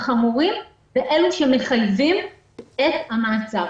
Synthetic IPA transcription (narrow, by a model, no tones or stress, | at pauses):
χamuʁim | v̥eʔe̞luʃemeχajvim | et̪hamaat͡sa